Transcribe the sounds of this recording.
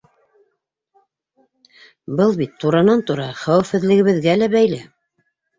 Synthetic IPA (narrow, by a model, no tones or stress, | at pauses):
bɤlˠbit̪ʰːuɾɑnɑnt̪uɾɑχæwɘ̆fhɘ̆ðlɘ̆ɡɘ̆βɘ̆ðɡælæbæjlæ